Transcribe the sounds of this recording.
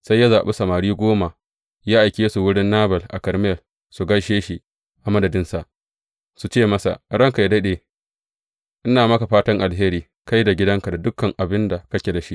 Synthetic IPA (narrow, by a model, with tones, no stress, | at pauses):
sa˦jːa˦zaː˨ɓe˦sɐ˨maː˨ɾiː˦ɡʷoː˦ma˨ | jaː˦ʔa˨jkʲeː˦su˨wʊ˦ɽɪ˦nːaː˦bɐ˨lʔa̰˨kɐ˨ɾm˦˨l | su˨ɡɐ˦ʃeː˦ʃi˨ | ʔa˨mɐ˦dɐ˨dɪ˦nsa˨ʔ | su˨t͡ʃeː˦mɐ˦sa̰˨ɽɐ˦ŋka˨ja˦dɐ˦ɗeː˨ | ʔɪ˦naː˨mɐ˦ka˨ɸaː˦tɐ˦ŋʔa˨lɦeː˦ɾiː˦ | ka˦jda˨ɡʲɪ˦dɐ˦ŋka˨da˨dʊ˦kːɐ˨ŋʔa˨bɪ˦nda˨kɐ˦kʲe˨da˨ʃi˦ʔ